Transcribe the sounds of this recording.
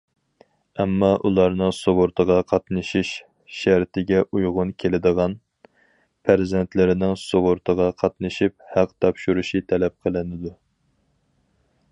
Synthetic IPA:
ɛmːɑʔulˠɑɾnɨŋsoʁʊɾt̪ʰəʁɑqʰɑt̪nɨʃiʃ | ʃæɾt̪ʰɪɡʲɛʔujʁʊnkʲʰelɪd̪əʁɑn | pʰæɾzɛnt̪ʰlɪɾɪnɪŋsoʁʊɾt̪ʰəʁɑqʰɑt̪nɨʃip̚hæqt̪ʰɑpʃuɾuʃit̪ʰɛlɛp̚qʰəlˠɪnɪd̪u

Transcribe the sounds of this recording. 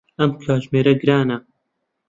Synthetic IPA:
ɐmpʰjɑːʒmeːɾɛɡɨɾɑːnɐ

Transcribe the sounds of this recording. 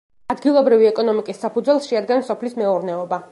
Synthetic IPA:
ad̪ɡilˠɔbɾiviɛkʼɔnɔmikʼisːapud̪zwɛlˠsʃɛad̪ɡɛnsɔpʰlismɛuɾnɛɔba

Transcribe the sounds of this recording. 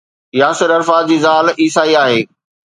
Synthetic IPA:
jaːsɪɾɐɾfaːd͡ʑiːzaːliːsaːiaːɦeː

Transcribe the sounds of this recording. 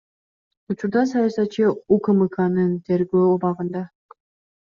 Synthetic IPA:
ut͡ʃuɾd̪ɑsɑjɑsɑt̪̚t͡ʃɯukɯmɯkɑnɯnt̪ʰe̞ɾɡøːobɑʁɯnd̪ɑ

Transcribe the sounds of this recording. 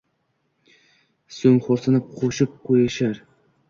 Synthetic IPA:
sɵŋχoɾsɑnɨp̚qʰoʃɪp̚qʰojaʃaɾ

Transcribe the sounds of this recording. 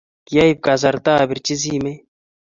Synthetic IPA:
jɐib̚kɐzɐɾt̪aːbiɾt͡ʃiziːme

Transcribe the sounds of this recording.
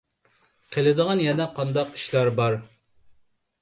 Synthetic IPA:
qʰelɪd̪əʁɑnjɛnɛqʰɑnd̪ɑqi̥ʃlɑɾbɑɾ

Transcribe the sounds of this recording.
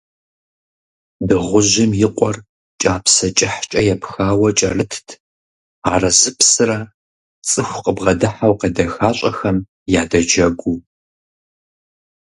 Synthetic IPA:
dɨʁʷʊʑɪmjɪqʷʼɔr | t͡ʃʼaːpʰsɐt͡ʃʼɪħt͡ʃʼɐjɛpxaːwɐt͡ʃʼɐrɨtʰtʰ | aːrɐzɨpʰsɨrɐ | t͡sʼɨxʷqəbʁɐdɨħawqɐdɐxaːɕʼɐxɐm | jaːdɐd͡ʒɐɡʷu

